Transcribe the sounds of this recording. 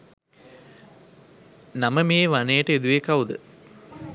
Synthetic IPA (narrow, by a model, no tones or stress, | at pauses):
naməmeːʋanejəʈəed̪uʋekaud̪ə